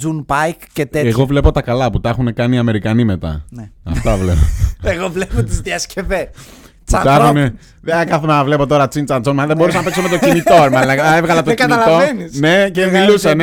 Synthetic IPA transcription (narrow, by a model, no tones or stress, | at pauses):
d͡zunpɐjkcet̪eeɣo̞vle̞po̞t̪ɐkɐlɐput̪ɐxune̞kɐniɐme̞ɾikɐnime̞t̪ɐ̰neɐfft̪ɐvlepoeɣovlepot̪izðiɐsce̞ves | t͡sɐɐxune | ðekɐθomenɐvle̞po̞t̪o̞ɾɐt͡sint͡sɐnt͡sonmɐðembous̬ɐnɐpeksomet̪ocimit̪oɾmɐnɐevɣɐlɐt̪ockiɐtmlovenisne̞cemilusen